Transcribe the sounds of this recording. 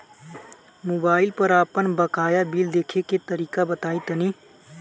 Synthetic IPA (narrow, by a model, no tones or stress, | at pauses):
moːbaːɪlpəɾaːpənbəkaːjabiːld̪eːkʰeket̪əɾiːkabət̪aːit̪əniː